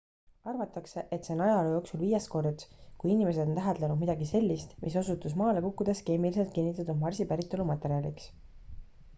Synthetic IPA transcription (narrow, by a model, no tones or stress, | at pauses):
ɑrvɑt̪ːˑɑkseʔet̪seonɑjɑejo̞ːksulviːjest̪̚ko̞rt̪kujinime̞s̬e̞d̪ot̪æɦed̪lenud̪̚mid̪ɑɡise̞lʲːist̪mʔiso̞sut̪ːˑus̬mɑːlekukːud̪̥e̞ske̞ːmilise̞lt̪kinːit̪ːˑɑt̪ːud̪̚mɑrsipæɾit̪ːˑo̞lumɑt̪e̞ɾiɑliks